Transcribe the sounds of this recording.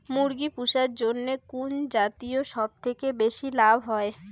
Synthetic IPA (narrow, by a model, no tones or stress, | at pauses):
muɾɡipuʃaɾd͡ʑonːekund͡ʑat̪ioʃɔb̚t̪ʰekebeʃilabʱɦɔe